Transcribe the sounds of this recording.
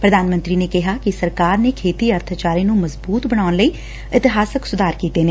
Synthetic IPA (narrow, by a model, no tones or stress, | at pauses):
pɾəd̪aːnmənt̪ɾiːneːkɪɦaːkɪsəɾkaːɾneːkʰeːt̪iːəɾt̪ʰat͡ʃaːɾiːnũːməzbuːt̪bəɽ̃aːʊnləiː | ɪt̪ɪɦaːsəksʊd̪aːɾkiːt̪eːneː